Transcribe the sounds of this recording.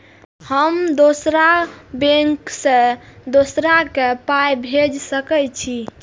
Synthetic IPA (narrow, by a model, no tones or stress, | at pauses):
həmd̪osɾabeŋksẽd̪osɾakepajbʱed͡ʒsəkɛt͡ʃʰi